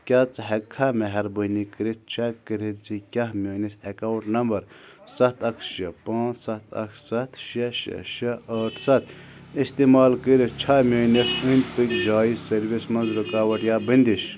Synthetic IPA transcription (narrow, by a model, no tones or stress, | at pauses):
kʲat͡sɦɐkʰːameɦɐɾbənikɨɾitt͡ʃʰɐkkːɨɾid͡zikʲɐɦmʲoːnisekawɳʈnɐmbɐɾsɐt̪ʰɐkʰʃɐpãːsɐt̪ʰɐ̰kʰsɐt̪ʰʃɐʃɐ̰ʃɐɐːʈʰsɐt̪ʰ | ist̪imaːlkiɾit͡ʃʰɐmʲeːnɐsɨnʲpikd͡ʒaːizsɐɾʋismɐnzɾɨkaːʋɐʈjaːbɨnd̪iʃ